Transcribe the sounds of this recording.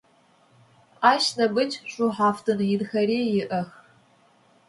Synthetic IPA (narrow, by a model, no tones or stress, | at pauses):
aːʃnɐbɨt͡ʃɕʼuħaːftʰɨnjɪdxɐɾeːjɪʔɐx